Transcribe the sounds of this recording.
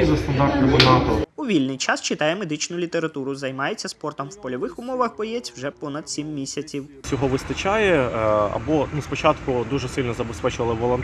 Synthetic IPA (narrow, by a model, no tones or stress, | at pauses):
izɐst̪ɐnd̪ɑrt̪nɔmɪnɑt̪ɔuʋʲilʲnɪjt͡ʃɑst͡ʃɪt̪ɑjɛmed̪ɪt͡ʃnʊlʲit̪eɾɐt̪uɾʊzɐjmɑjet͡sʲːɐspɔrt̪ɔmwpɔlʲɔʋɪxʊmɔʋɐxbɔjɛt͡sʲwʒɛpɔnɐd̪̥sʲimːʲisʲɐt͡sʲiwsʲɔɦɔʋɪst̪ɐt͡ʃajɛɐ̰bɔnuspɔt͡ʃɑt̪kʊd̪uʒɛsɪlʲnɔzɐbespɛt͡ʃʊʋɐlˠɪʋɔlˠɔnt̪